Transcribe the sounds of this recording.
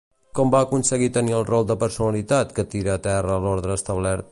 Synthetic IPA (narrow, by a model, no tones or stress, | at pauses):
kɔmbaəkunsəɣit̪əniəlˠrɔlˠd̪əpəɾsunəlit̪at̪kət̪iɾəːt̪ɛrəːloɾðɾəːst̪əβlɛɾt̪̚